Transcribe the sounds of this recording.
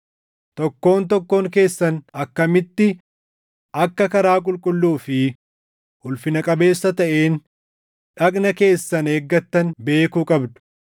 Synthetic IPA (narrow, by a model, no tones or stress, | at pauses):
t̪ɔkːo̞ːnt̪ɔkːo̞ːŋke̞ːsːɐnɐkːɐmɪt̪ːɪ | ʔɐkːɐkɐɾaːkʼʊlkʼʊlːuːfɪ | ʔʊlfɪnɐkʼɐbe̞ːsːɐt̪ɐʔe̞ːn | ᶑɐkʼnɐke̞ːsːɐne̞ːɡːɐt̪ːɐnbe̞ːkuːkʼɐbd̪ʊ̥